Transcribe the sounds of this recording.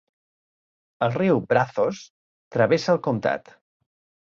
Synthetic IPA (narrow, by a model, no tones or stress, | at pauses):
əlˠriwbɾaθos | t̪ɾəβesəːlˠkumt̪a̰t̪